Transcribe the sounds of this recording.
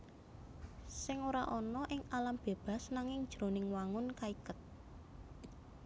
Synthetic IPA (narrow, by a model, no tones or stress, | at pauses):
sɪŋoɾa̰ʔɔnɔʔɪŋalamb̥e̤b̥a̤snaŋɪŋd̥ʒ̥ɾo̤nɪŋwaŋʊnkaikət̪̚